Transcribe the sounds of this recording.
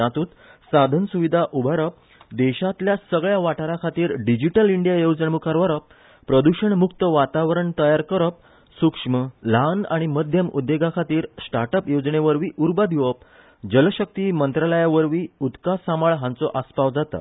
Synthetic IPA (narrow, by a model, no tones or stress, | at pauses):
ãt̪uːt̪ | sad̪ʱənsuʋid̪ʱaʔubʱaɾəp̚ | d̪eɕat̪ljasəɡɭjaʋaʈaɾakʰat̪iːɾɖid͡ʑiʈəliɳɖijajod͡zəɳmukʰaɾʋaɾəp | pɾəd̪uɕəɳmukt̪əʋat̪aʋəɾəɳt̪əjaɾkəɾəp̚ | sukʂməlana̰ɽ̃iməd̪ʱjəmud̪ːeɡakʰat̪iːɾsʈaɾʈəpjod͡zɳeʋəɾʋiːʔuɾbad̪ʱiʋəp | d͡ʑəlɕək̚t̪iːmənt̪ɾaləjaʋəɾʋiːut̪kasamaɭɦãnt͡sɔʔaspaʋd͡zat̪a̰